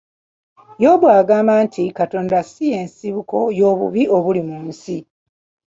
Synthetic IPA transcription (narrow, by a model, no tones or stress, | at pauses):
jo̞ːβwaːɡaːmaːntʰikato̞ːndasije̞ːnsiβuko̞jo̞ːβṵβio̞βulimuːnsi